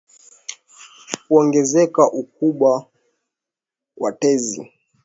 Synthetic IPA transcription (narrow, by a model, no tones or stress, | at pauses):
kuɔŋɡɛzɛkaʔuk̚uɓwa | watɛzḭ